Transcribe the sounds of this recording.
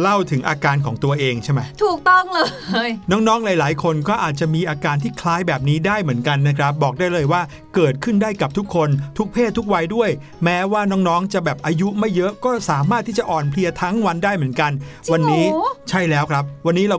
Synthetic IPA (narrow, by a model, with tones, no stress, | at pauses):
la˥˩wt̪ʰɯ˨˩˦ŋʔa̰ː˧kaː˧nkʰɔː˩˦ŋt̪u˧ɐʔeː˧ŋt͡ɕʰa˥˩jma˦˥jt̪ʰuː˨˩k̚t̪ɔ˥˩ŋlɤː˧jnɔː˦˥ŋnɔː˦˥ŋlaː˨˦jlaː˩˦jkʰo˧nkɔː˥˩ʔaː˨˩t̪̚t͡ɕa˨˩miː˧ʔaː˧kaː˧nt̪ʰiː˥˩kʰlaː˦˥jbɛː˨˩p̚niː˦˥daː˥˩jmɯ˩˦ənka˧nːa˦˥kʰɾa˦˥p̚bɔː˨˩k̚daː˥˩jlɤː˧jwaː˥˩ | kɤː˨˩t̪̚kʰɯ˥˩ndaː˥˩jka˨˩p̚t̪ʰu˦˥kʰːo˧nt̪ʰu˦˥k̚pʰeː˥˩t̪ʰːu˦˥k̚wa˧jdu˥˩əj | mɛː˦˥waː˥˩nɔː˦˥ŋnɔː˦˥ŋt͡ɕa˨˩ʔbɛː˨˩p̚ʔaː˧ju˦˥ma˥˩jːɤ˦˥ʔkɔː˥˩saː˩˦maː˥˩t̪ʰːiː˥˩t͡ɕa˨˩ʔɔː˨˩npʰli˧ɐt̪ʰa˦˥ŋwa˧ndaː˥˩jmɯ˩˦ənka˧nwa˧nːiː˦˥t͡ɕʰa˥˩jlɛː˦˥wkʰɾa˦˥p̚wa˧nːiː˦˥ɾa˧